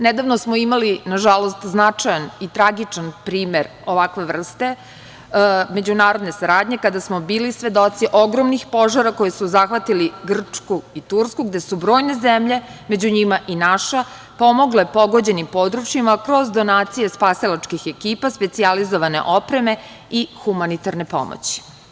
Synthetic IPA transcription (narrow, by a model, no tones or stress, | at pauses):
ned̪aʋnosmoimalinaʒalo̞st̪znat͡ʂajanit̪ɾaɡit͡ʂanpɾiːme̞ɾ | oʋakʋe̞ʋr̩st̪e̞ | me̞d͡ʑunaːɾo̞d̪ne̞saɾaːd̪ɲe̞kad̪asmobiːlisʋe̞d̪o̞t̪siʔoɡɾomnixpo̞ʒaɾako̞jesuzaxʋat̪iliɡr̩t͡ʂkuit̪uɾskuɡd̪e̞subɾo̞ːjne̞zemʎe̞me̞d͡ʑuɲimaʔinaʃa | po̞mo̞ɡlepo̞ɡo̞d͡ʑe̞nimpo̞d̪ɾut͡ʃjimakɾo̞zd̪o̞naːt̪sije̞spasilat͡ʃkixe̞kiːpaspe̞t̪sializo̞ʋane̞̰ʔo̞pɾe̞me̞ | ixumanit̪aɾne̞po̰mo̰t͡ɕi̥